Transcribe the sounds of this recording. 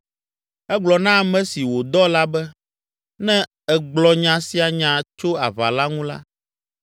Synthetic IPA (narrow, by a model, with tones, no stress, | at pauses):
ɛ˦ɡ͡blɔ˨nã˦˨mɛ̃˦si˨wo˨d̪ɔ˦la˦bɛ˦ | nɛ̃˦ | ɛ˨ɡ͡blɔ˨ɲã˨si˦a˨ɲã˨t͡ʃo˦a˨βa̰˨la˦ŋũ˦la̰˦